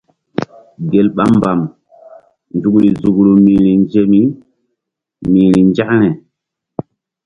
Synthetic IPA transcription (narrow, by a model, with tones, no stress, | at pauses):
ɡe˨lɓa˦mba˨m | nd͡ʒu˨kɾi˨zu˨kɾu˨mi˨ɾi˨nd͡ʒe˦mi˦ | miː˨ɾi˨nd͡ʒa˦kɾɛ˨